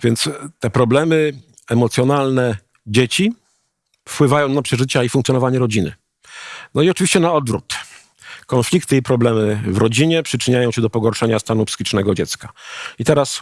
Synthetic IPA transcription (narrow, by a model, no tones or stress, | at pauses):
vʲjɛnt̪st̪ɛpɾɔblɛmɘ | ɛmɔt̪sʲjɔnalnɛ | d͡ʑet͡ɕi | fpwɘvajɔ̃w̃napʂɛʐɘt͡ɕaifuŋkt̪jɔnɔvaɲɛɾɔd͡ʑinɘ̰ | nɔiɔt͡ʂɘvʲiɕt͡ɕɛnaɔd̪vɾṵt̪ | kɔnflʲikt̪ɘipɾɔblɛmɘvɾɔd͡ʑiɲɛpʂɘt͡ʂɘɲajɔ̃w̃ɕɛd̪ɔpɔɡɔɾʂɛɲast̪anupsɘ̥xʲit͡ʂnɛɡɔd͡ʑɛt̪skait̪ɛɾas